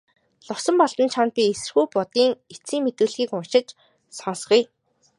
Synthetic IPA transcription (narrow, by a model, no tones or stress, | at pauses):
ɮʊsɞ̆mpɔɮt̪ə̆nt͡ɕʰɔnt̪̚pʲiesɘ̆rxujpʊt̪iːŋet͡siːŋmet̪ŭːɮxiːkʊnʃɪ̆t͡ɕ | sɔːsɢuj